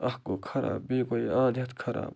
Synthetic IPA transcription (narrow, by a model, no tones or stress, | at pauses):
ɐhkoːkʰɐɾa̰ːbeːkoiãːd̪ʱjɐt̪kʰɐɾa̰ːb